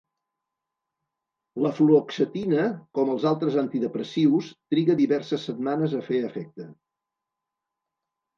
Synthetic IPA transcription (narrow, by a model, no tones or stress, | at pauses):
ləfluoksət̪inəkɔməlˠzalˠt̪ɾəzant̪iðəpɾəsiwst̪ɾiɣəðiβɛrsəsːət̪̚manəzəfeəfɛk̚t̪ə